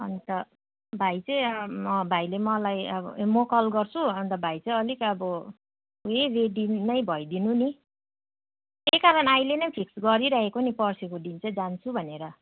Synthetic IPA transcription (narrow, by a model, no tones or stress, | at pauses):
ʌnt̪ʌ | bʱajt͡sʌj̃ʌbʱajlemʌlajʌbʌ̰mokʌlɡʌrt͡sʰuʌnt̪ʌbʱajt͡sʌjʌlikʌbʌ | ereɖinʌjbʱʌjd̪inuni | ekaɾʌnajlenʌjpʰiksɡʌɾiɾaɦekonipʌrsikoɖint͡sʌ̃d͡zant͡sʰubʱʌneɾʌ